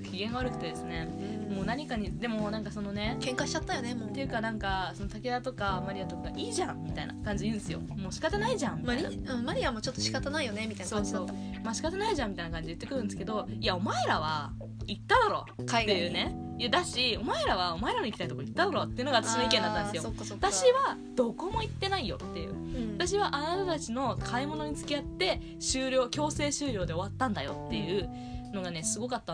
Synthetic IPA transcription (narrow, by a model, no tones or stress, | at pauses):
kʲiɡẽ̞ŋɡaβaɾɯ̟kɯ̟̥t̪ed̪esɨne̞moːnaɲ̟ikaɲ̟id̪emo̞nãŋkaso̞no̞ne̞kẽ̞ŋkaɕi̥t͡ɕat̪ːajoneot̪e̞jɯ̟kanãŋkaso̞no̞t̪aked̪at̪o̞kamaɾʲiat̪o̞kaɡaiːʑãŋːʲit̪aina̰kãɲ̟d͡ʑiejɯ̟nd̪esɨjo̞̰mo̞ːɕi̥kat̪anaiʑãmmiaia̰ɯ̟̃maɾʲiamo̞t͡ɕo̞t̪ːo̞ɕi̥kat̪anaijo̞ne̞mʲit̪ainso̞ãːsoː | maɕi̥kat̪anaiʑãmːʲit̪ainakãɲ̟d͡ʑijɯ̟t̪ːe̞kɯ̟ɾɯ̟nd̪sɨ̥ke̞d̪o̞iao̞maeɾaβa | it̪ːad̪aɾo̞̰ːt̪ːejɯːne̞ | jɯd̪aɕio̞maeɾaβao̞mae̞ɾanoikʲi̥t̪ait̪okoit̪ːad̪aɾo̞ːt̪ːe̞jɯ̟noaβat̪aɕinoikend̪at̪ãnesjoː | at̪aɕiβa | d̪̥o̞ko̞mo̞it̪ːe̞naijo̞̰t̪ːe̞jɯ̰ːat̪aɕ̬iβaʔanat̪at̪at͡ɕino̞kʰaimo̞no̞ɲ̟it͡sɨ̥kʲiat̪ːe̞ | ɕɨːɾʲo̞ːkʲo̞ːse̞ːɕɨːɾʲo̞ːd̪e̞o̞βat̪ːãnd̪ajo̞̰t̪ːe̞jɯ̟ | no̞ɡane̞sɨɡo̞kat̪ːa